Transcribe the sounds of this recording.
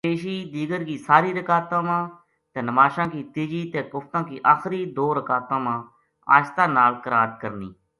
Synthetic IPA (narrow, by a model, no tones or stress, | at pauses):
eːʃiːd̪iːɡəɾkiːsaːɾiːɾəkaːt̪ãːmãː | t̪eːnəmaːʃãːkiːt̪ɪd͡ʒiːt̪eːpʊfʰt̪ãːkiːʔaːxɾiːd̪oːɾəkaːt̪ãːmãː | a̰ːʃt̪ãːnaːlkəɾaːd̪kəɾnḭː